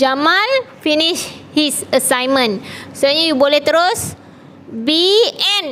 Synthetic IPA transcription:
d͡ʒamalfiniʃhisəsajmə̃nsoɲajuboleht̪əɾos | biɛn

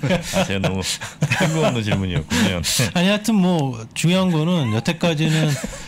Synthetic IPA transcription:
t͡ɕenomuɯŋɡɯnɯnt͡ɕiɭmuɲiʌ̰kumʌ̰naɲiatʰɯnmwʌt͡ɕuiɦanɡʌnɯnjʌtʰe̞k͈ad͡ʑinɯn

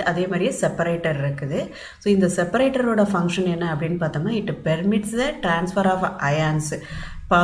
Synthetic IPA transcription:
ɐðeːmaːɾɪjsɛpːɐɾeːʈːɐɾɪɾɯkːɯðɯ | soːɪnd̪ɐsɛpːɐɾeːʈːɐɾoːɽɐfɐŋkʂɐnɛnːɐːɐpːɐɽɪnːɯpaːɾt̪aːŋnːaːɪʈːɯpɛɾmɪʈsd̪ɐʈɾaːnsfɐɾaːfʔɐjaːnspaː

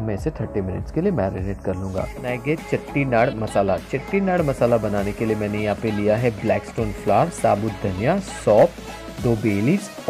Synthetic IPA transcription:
mɛ̃ːɪset̪ʰɐɾʈːimɪnɪ̰ʈskeliemɛːɾineːʈkɐɾlũːŋɡa̰ːnaːjɡet͡ʃɐʈːinaːɽmɐsaːlat͡ʃɐʈːinaːɽmɐsaːlabɐnaːnekeliemɛ̃ːnejɐɦãpelijaɦɛblɛːksʈoːnflaːɾsa̰ːbʊt̪̚d̪ʱɐnijassɔːp | d̪oːbeːlis

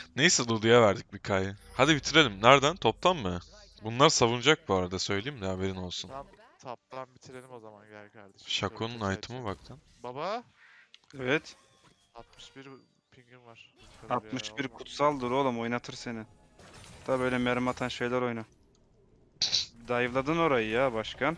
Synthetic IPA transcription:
nejsɛlˠud̪ujavæɾd̪ic̚bikʰajɯhad̪ibit̪ʰiɾe̞lʲimnæɾd̪ænt̪ʰo̞p̚t̪ʰamːɯ | bunlˠaɾsavund͡ʒak̚buaɾad̪asø̞jlʲejimd̪aɦabe̞ɾino̞lˠsun | t̪ʰap̪̚anbit̪ʰiɾelʲizmanɾd̪iʃakʰunnajt̪ʰɯmɯbak̚t̪ʰænbaba | evɛt̪ | t̪̚mɯʃbiɾ | pʰiɲivaɾat̪mɯʃbiɾkʰut̪salˠd̪uɾolˠamo̞jnat̪ʰɯɾse̞nɪ | aaːbø̞jlʲɛmeɾmat̪ʰanʃe̞jlʲæɾo̞jna | d̪ajvlˠad̪ɯno̞ɾajɯjabaʃkʰa

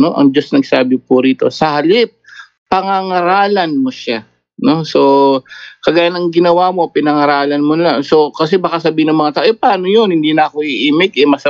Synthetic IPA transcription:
no̞ʔɐ̰ŋd͡ʒɐsnɐɡ̚saːbɪpʊɾiːt̪o̞sɐhɐlɪp̚ː | ɐŋaŋɐɾaːlɐnmoʃa | no̞so̞ | kɐɡaːjanɐŋɡɪnɐwamo̞pɪnɐŋɐɾaːlɐnmonɐlaŋso̞kɐs̬ɛbaːkasɐbiːhɪnɐŋmɐŋat̪aʔoʔɛpaːnojonhɪnd̪iːnɐɐkoʔiʔiːmɪk̚ʔɛmɐsɐ

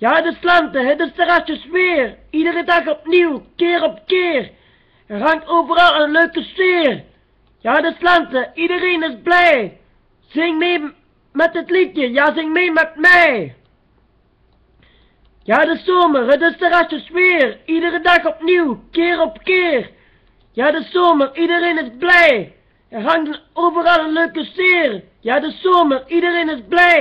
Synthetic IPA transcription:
jaːdəslantəhədəstəʁaʃəsweːɾ | iːdəʁədakɔp̚niwkeːɾɔp̚keːʁ | raŋtoːbəɾaləløːkəsweːɾ | jaːdəslantəiːdəɾenɪsblɛː | z̥ɪŋmeː | mɛt̚ːətlitjəjaːzɪŋmeːmɛt̚mɛ | jaːdəsoːmərədəstəʁasəsʋeːridəʁədaxɔpniwkɪːɾɔpkeːr | jaːdəsoməridəɾeːnɪsblɛj | ɛɦaŋdənoːvəʁɑlˠəløːkəseːr | jaːdəsoːməridəɾeːnɪsblɛj

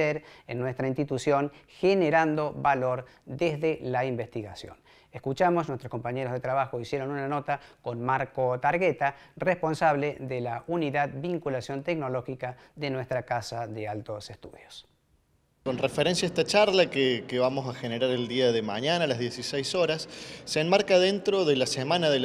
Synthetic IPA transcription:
eɾḛnːwest̪ɾainst̪it̪usjo̞ŋxeneɾand̪o̞βalo̞ɾ | ðezðelaimbest̪iɣasjo̰n | eskut͡ʃamosnwet̪ɾosko̞mpaɲeɾozðet̪ɾaβaxo̞isjeɾo̞nunano̞t̪ako̞nmaɾko̞t̪aɾɣet̪arespo̞nsaβleðelauniðaðbiŋkulasjo̞nt̪ekno̞lo̞xika | ðenwe̞st̪ɾakasaðealt̪o̞sest̪uðjos | konrefeɾensjaest̪at͡ʃaɾlakekeβamosaxeneɾaɾeld̪iaðemaɲanaːlazðjesisejsoɾasːeːnmaɾkaðent̪ɾoðelasemãnaðe

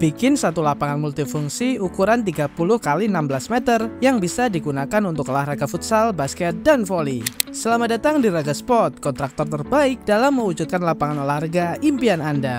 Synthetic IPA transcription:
b̥ikɪnsat̪ulapaŋanmult̪ifuŋsiukuɾant̪̬iɡapulʊhkalinambəlasmɛt̪ərjaŋbisadiɡunakanunt̪ʊklahraɡafut̪salbaskɛt̪̚danfolisəlamadat̪aŋdiɾaɡaspɔt̪̚kɔnt̪ɾak̚t̪ɔrt̪ərbaɪk̚dalamːəwud͡ʒut̪̚kanlapaŋanalahrɡaimpiananda

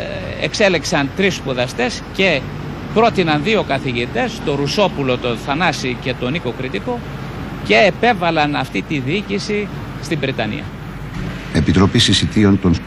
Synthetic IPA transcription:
ḛkse̞leksɐnt̪ɾispuðɐst̪e̞sce̞ | pɾo̞t̪inɐnðio̞kɐθiʝit̪e̞st̪o̞ɾuso̞pulo̞t̪onθɐnɐsice̞t̪o̞niko̞kɾit̪iko̞ | ce̞ːpe̞vɐlɐnɐft̪it̪iðiicisi | st̪ibɾit̪ɐnḭɐ̰ | epit̪ɾo̞pisisit̪io̞nt̪on

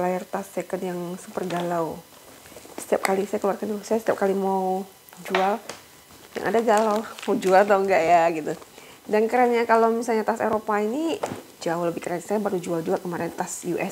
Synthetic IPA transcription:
laɪrt̪asːekənjaŋsupərɡalaw | sə̥t̪iap̚kalisajakəluarkanuusajasət̪iap̚kalimau | d͡ʒual | ja̰ŋʔa̰daɡalawmaud͡ʒualt̪auŋɡaʔjaɡit̪u | dankəɾaɲakalomisalɲat̪asḛɾopainid͡ʒaʊləbɪhkəɾaɲasajabaɾud͡ʒuald͡ʒuakəmaɾɛnt̪asjuʔɛs

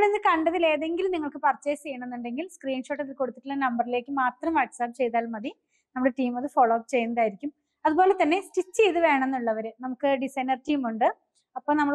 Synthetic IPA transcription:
ɭenːɨkɐɳɖɐðile̞ːðe̞ŋɡilmniŋːɐɭkɨpɐrt͡ɕːeːsejːɐɳenːuɳɖe̞ŋɡilskriːnʂo̞ːʈːɐðilko̞ɽut̪ːi̥ʈːulːɐnɐmbɐrile̞ːkːɨmaːt̪rɐmʋɐʈsap̚ːt͡ɕe̞jt̪aːlmɐði | nɐmuɽeʈiːmɐðɨfoːɭoːɐkt͡ɕe̞jːunːɐðaːjiɾikʲːum | ɐðuboːlet̪ɐnːe̞stit͡ɕːejt̪ɨʋe̞ːɳɐ̃enːuɭːɐʋɐɾenɐmukːɨɖisɐjnɐrtiːmuɳɖɨ | ɐpːoːnɐmːɐɭ

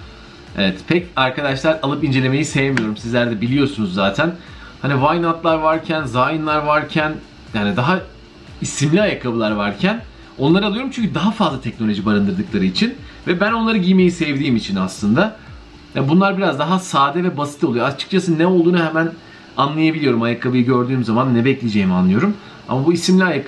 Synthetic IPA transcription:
ḛvɛt̪pʰɛcaɾkʰad̪aʃlˠaɾalˠɯpind͡ʒee̞me̞jisejemijo̞ɾumsizlʲæɾd̪ɛbilʲijo̞ɾsunuzːaːt̪ʰæn | hanivajnat̪lˠaɾvaɾcʰænzaːjɯnlˠaɾvaɾcʰæn | jaːnid̪aɦa | isimlʲiajakʰabɯlˠaɾvaɾcʰæn | o̞nlˠaɾɯalˠɯoɾumt͡ʃyɲcʰʲyd̪aɦafazlˠat̪ʰɛc̚no̞lʲo̞ʒibaɾɯnd̪ɯɾd̪ɯklˠaɾɯit͡ʃʰinvɛbæno̞nlˠaɾɯɟijme̞jisɛvd̪iːmit͡ʃʰinaslˠɯnd̪a | jabunlˠaɾbiɾazd̪aɦasaːd̪ɛvɛbasit̪ʰolˠujoat͡ʃʰɯ̥k̚t͡ʃʰasɯnɛo̞lˠd̪uːnuhɛmæn | anlˠajabilʲijo̞ɾumajakʰabˠɯjɯɟø̞ɾd̪yːmzamanːɛbɛclʲed͡ʒejimanlˠɯjo̞ɾum | a̰mabuisimlʲiajak

